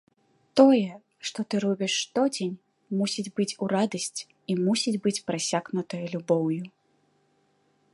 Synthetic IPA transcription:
t̪ɔjɛ | ʂt̪ɔt̪ɨɾɔbʲiʂːt̪ɔd͡zʲenʲ | musʲid͡zʲbɨt͡sʲuɾad̪ɐsʲt͡sʲ | imusʲid͡zʲbɨt͡sʲpɾasʲaɣnut̪ɐjɐlʲubɔwju

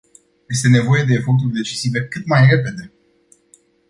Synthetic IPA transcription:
je̞st̪e̞ne̞vo̞je̞d̪e̞ːfo̞rt̪̬urʲd̪e̞t͡ʃisive̞kɨt̪majre̞pe̞d̪e̞

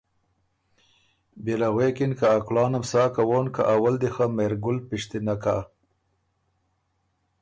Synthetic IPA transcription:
belaɣwekinkaːklɑːnamsɑːkawonka̰ʔawald̪ixameɾɡʊlpiʂt̪inaka̰

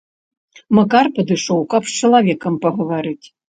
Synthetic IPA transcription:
mɐkarpɐd̪ɨʂɔwkɐpst͡ʃɐlˠavʲɛkɐmpɐɣɐʋaɾɨtʲ

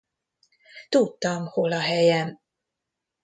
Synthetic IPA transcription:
t̪ut̪ːɒmholɒɦɛjɛm

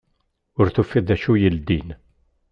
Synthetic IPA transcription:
ʊɾθufːiðæʃujəld̪in

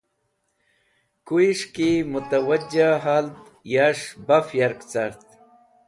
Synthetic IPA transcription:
kuiʂkimʊt̪awad͡ʑaɦalt̪ | jaʂbafjaɾkt͡saɾt̪

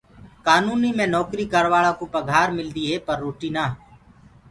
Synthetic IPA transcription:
kaːnuːniːmẽːnɔːkɾiːkəɾʋaːɭãːkoːpəɡʱaːɾmɪld̪iːɦeːpəɾːoːʈiːnaː

